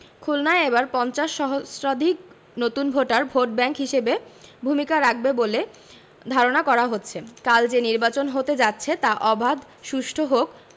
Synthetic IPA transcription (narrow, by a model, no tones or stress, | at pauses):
kʰulnaeebaɾpɔnt͡ɕaʃːɔɦosɾad̪ʱik̚ | not̪unbʱoʈaɾbʱoʈ̚bɛŋkɦiʃebebʱumikaɾak̚bebole | d̪ʱaɾonakɔɾaɦotːɕʰekald͡ʑeniɾbat͡ɕonɦot̪ed͡ʑatːɕʰet̪aʔɔbʱad̪ | ʃuʃʈʰoɦok